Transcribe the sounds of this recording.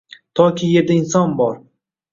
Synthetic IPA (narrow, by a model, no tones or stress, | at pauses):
t̪ʰɒkʲʰije̞ɾd̪aɪnsɒnbɒɾ